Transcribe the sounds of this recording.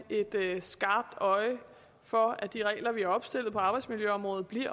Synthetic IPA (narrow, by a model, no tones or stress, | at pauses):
e̝d̥sɡ̥ɑ̈ːb̥̚d̥ɒ̽ɪə | fɒ̽æd̥iʁɛ̰ːlɐʋiæɐɒ̽b̥sd̥e̝l̰ð̩ˠpʰɒ̽ɑ̈ːb̥ɑ̈ɪdsmiljøɒ̽mʁɔ̽ːðð̩ˠb̥liɐ̰